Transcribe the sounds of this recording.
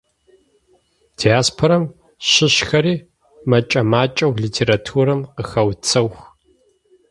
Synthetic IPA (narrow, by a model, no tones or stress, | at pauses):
dʰiaːspʰoɾɐm | ʃɪɕxɐɾiː | mɐt͡ʃʼɐmaːt͡ʃʼɐwɮitʰeːɾatʰuːɾɐmqəxɐwt͡sʰɐwx